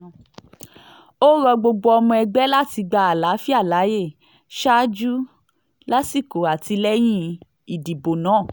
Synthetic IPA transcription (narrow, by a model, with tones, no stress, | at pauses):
o˦ɾɔ˧ɡ͡bo˧ɡ͡bo˧ɔ˧mɔ̃˧ɛ˧ɡ͡bɛ˦la˦ti˧ɡ͡ba˧a˨la˨˦fi˦a˦˨la˨˦je˦˨ | ʃa˦d͡ʒu˦ | la˦si˦˨ko˨a˨ti˧lɛ˦j̃ĩ˦ | i˨di˨bo˨nãː˨˦˨